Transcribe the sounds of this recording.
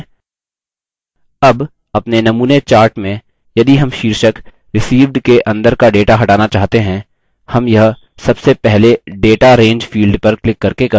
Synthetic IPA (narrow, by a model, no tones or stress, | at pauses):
ɐb | ɐpnenɐmuːnet͡ʃaːɾʈmẽ | jɐd̪iɦɐmʃiːɾʃək | ɾɪsiːʋɖkeʔɐ̃nd̪əɾkaɖeːʈaɦɐʈaːnat͡ʃaːɦt̪eɦɛ̃ | hɐmjɐɦ | sɐbsepɛɦleɖeːʈaɾẽːɲd͡ʒfiːlɖpɐɾklɪkːɐɾkek